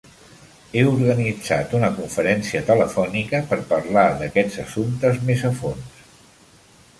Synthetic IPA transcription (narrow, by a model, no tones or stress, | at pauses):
euɾɣənid͡za̰t̪unəkuɱfəɾɛnsiət̪ələfɔnikəpəɾpəɾlaðəkɛd͡zəsunt̪əzmezəfons